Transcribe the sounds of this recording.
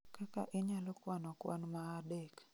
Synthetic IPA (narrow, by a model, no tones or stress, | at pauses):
kaka̰ʔɪɲalɔkwanɔkwa̰nmaːdek